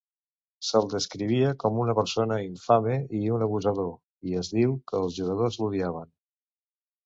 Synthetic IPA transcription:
səlˠd̪əskɾiβ̞iəkɔmunəpəɾsonəiɱfameiunəβuzəð̞o | iəzðiwkəːlˠzʒuɣəð̞ozluðiaβ̞ən

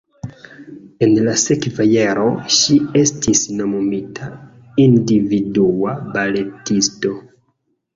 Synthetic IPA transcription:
e̞nlasekvajaɾo̞ʃie̞stʰisno̞momitʰa | individuabale̞tisto̞

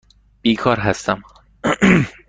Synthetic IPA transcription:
b̥iːkʰɒːɾɦæst̪æm

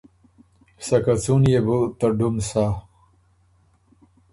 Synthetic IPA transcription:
sɐkat͡sunjebut̪ɐɖumsaː

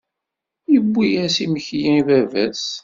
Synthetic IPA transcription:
jəbːijæsiməçjæ̃ivævæ̰s

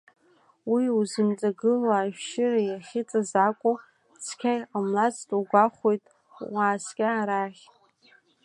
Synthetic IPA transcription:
wiuzɨmt͡sʼaɡɨlaːʒᶣʃɪrajaχʲɪt͡sʼazakʷʼʊ | t͡sʰkʲʰajamlat͡sʰʼtʼuɡʷaχʷojtʼ | waːskʲʼaːɾaχʲ

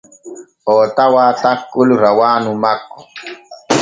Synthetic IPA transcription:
oːt̪awat̪akːulɾawaːnumako̥

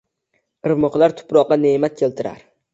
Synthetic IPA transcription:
ɨɾmɨqlˠaɾt̪ʰʊ̥pɾɒqːɑnemat̪̚kʲʰelt̪ʰɪɾa̰ɾ

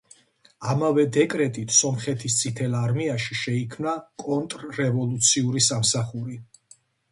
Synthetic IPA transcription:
amavɛd̪ɛkʼɾɛt̪ʼit̪ʰsɔmχɛt̪ʰist̪sʼit̪ʰɛlaɾmiaʃiʃɛikʰmnakʼɔnt̪ʼɾːɛvɔlˠut̪sʰiuɾisamsaχuɾi

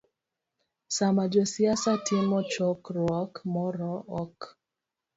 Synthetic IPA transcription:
samad͡ʒosiasatienmɔt͡ʃɔkɾwɔkmɔɾɔɔk

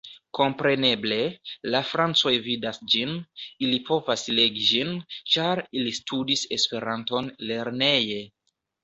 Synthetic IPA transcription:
ko̞mpɾe̞ne̞ble̞lafɾant͡so̞jvidasd͡ʒinilipʰo̞vasle̞ɡid͡ʒint͡ʃaɾilistʰudise̞spe̞ɾanto̞nle̞ɾne̞je̞

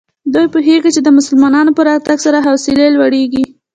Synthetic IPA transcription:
d̪ujpuɦeɡit͡ʃed̪əmʊsəlmɑnɑnopəɾɑt̪aɡsaɾaɦawsɪlelwaɽeɡi

